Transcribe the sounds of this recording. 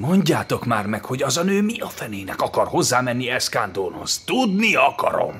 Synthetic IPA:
mo̞ɲɟaːt̪o̞kmaːrmɛkho̞ɟɒzɒnøːmiɒfɛneːnɛkɒkɒrho̞zːaːmɛnːiɛskand̪oːnho̞̰st̪ud̪niɒkɒ̰ɾo̞̰m

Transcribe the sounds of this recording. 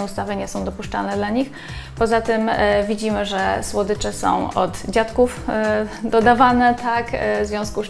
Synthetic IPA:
ust̪avɘɲɛsɔ̃w̃d̪ɔpuʂt͡ʂalnɛd̪laɲix | pɔzat̪ɘmvʲid͡ʑimɘʐɛswɔd̪ɘt͡ʂɛsɔ̰̃w̃ɔ̰t̪d͡ʑat̪kuf | d̪ɔd̪avanɛt̪akvzvʲjɔ̃w̃sku

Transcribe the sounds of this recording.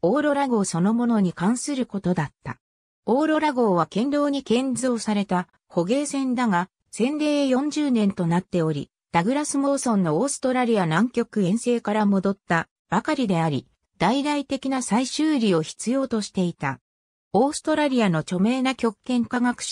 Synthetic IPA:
o̞ːɾo̞ɾaɡo̞ːso̞no̞mo̞no̞ɲ̟ikãɰ̃sɨɾɯ̟ko̞t̪o̞d̪at̪ːa̰ | o̞ːɾo̞ɾaɡo̞ːβ̞akẽ̞nɾo̞ːɲ̟ikẽ̞ɲd͡zo̞ːsaɾe̞t̪a | ho̞ɡe̞ːsẽ̞nd̪aɡa | sẽ̞nɾe̞ːjõ̞ɲ̟d͡ʑɨːnẽ̞nt̪o̞nat̪ːe̞o̞ɾʲḭ | d̪̥aɡɯ̟ɾasɨmo̞ːsõ̞nːo̞ːsɨ̥t̪o̞ɾaɾʲianãŋkʲo̞kɯ̟ẽ̞ɰ̃se̞ːkaɾamo̞d̪o̞t̪ːa | b̥akaɾʲid̪e̞aɾʲi | d̪̥aid̪ait̪e̞kʲinasaiɕɨːɾʲio̞çi̥t͡sɨjo̞ːt̪o̞ɕi̥t̪e̞it̪a | o̞ːsɨ̥t̪o̞ɾaɾʲiano̞t͡ɕo̞me̞ːnakʲo̞kːẽ̞ŋkaɡakɯ̥

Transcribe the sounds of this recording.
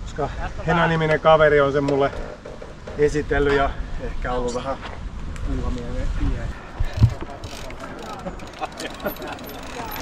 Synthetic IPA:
koskɑhenɑniminekɑʋerionsemmulːe | esit̪elːyjɑehkæolːuʋæhæ | uːkɑmiælepiæne̥ːtæ̥

